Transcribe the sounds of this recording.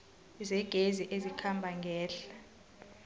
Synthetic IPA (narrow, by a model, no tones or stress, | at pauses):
zɛɡ̥ʱeziʔezikʰambʱaŋɡʱɛːɬa